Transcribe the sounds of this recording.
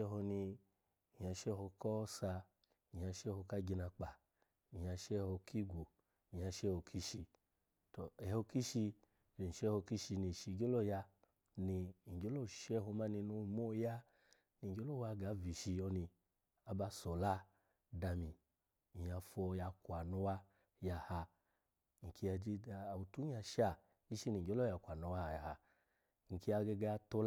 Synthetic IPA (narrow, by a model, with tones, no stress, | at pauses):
ɛ˦˧ɦɔ˧ni˧˨ | ɲa˧ʃɛ˦˧hɔ˧kɔ˦sa˧ | i˨ɲa˧ʃɛ˦˨hɔ˧ka˦ɡi˧na˧k͡pa˨ | i˨ɲa˧ʃɛ˦˧hɔ˧kʰi˦˨ɡʷo˨ | i˨ɲ˨a˧ʃɛ˦ho˧kʰi˦ʃi˧ | tɔ˨ɛ˨hɔ˧ki˦ʃi˧ | e˧˨n̩˨ʃɛ˦hɔ˧ki˦ʃi˧ni˧˨ʃi˧˨ɡʲo˦lɔ˦˨ja˧ | ni˧˨ɡʲo˨˦lɔ˦˨ʃɛ˦˧hɔ˧ma˦ni˧no˧˨˧mɔ˦˨ja˦ | ni˧ŋ̩˨ɡʲo˨˦lɔ˦˨wa˧ɡa˨˦vi˨ʃi˧ɔ˧ni˧ | a˧ba˧˦sɔ˨la˦ | da˧mi˨ | a˧fɔ˧ja˧kʷa˨no˧˦wa˧ | ja˧ha˧ | ŋ̩˨kʰi˧a˧d͡ʒi˧a˧˨u˨˧tu˦ɲ˦a˧ʃa˧˨ | ɡi˦ʃi˧˦ni˧˨ŋ˨ɡʲo˦lɔ˦ja˧kʷa˨no˧wa˦ha˧˨ja˧ha˧ | ŋ̩˨ki˧a˧ɡe˧ɡa˧a˧to˧l